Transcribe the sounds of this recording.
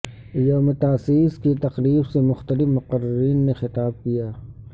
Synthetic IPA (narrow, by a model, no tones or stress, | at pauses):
joːmet̪aːsiːskit̪ɐqɾiːbsemʊxt̪əlɪfmʊqəɾːəɾiːnːexɪt̪aːb̚kijaː